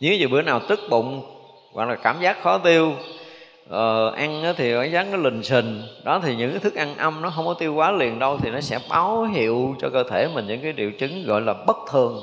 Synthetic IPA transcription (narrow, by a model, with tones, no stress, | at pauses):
ɲɨ̰˧ŋkaː˨˦zḭ˨˩ɓi˨˦ənaː˨˩wt̪ɨ˦˥k̚ɓʊ̰˧˨ŋ͡m | ɣɔ̰˧˨˩klaː˨˩kaː˧˩mzaː˦˥k̚xɔ˨˦t̪i˧əw | ʔəː˨˩ʔa˧ŋʔaː˨˦t̪ʰi˨˩kɔ˧˦zaː˦˥k̚nɔ˨˦lï˨˩ŋ̟sï˨˩ŋ̟ɗɔ˨˦t̪ʰi˨˩ɲɨ̰˧˥ŋkaː˨˦jt̪ʰɨ˦˥k̚ʔa˧nʔə˧mnɔ˨˦ɦə˧wŋ͡mkɔ˨˦t̪i˧əwkwaː˨˦lḭ˧˨ənɗə˧wt̪ʰi˨˩nɔ˨˦sɛ̰˧˥ɓaː˨˦wɦḭ˧˨əwt͡ɕɔ˧kəː˧t̪ʰe˧˩mï˨˩nɲɨ̰˧˥ŋkaː˨˦jɗḭ˧˨əwt͡ɕɨ˨˦ŋɣɔ̰˧˨jlaː˨˩ɓə˦˥t̚t̪ʰɨ˨˩əŋ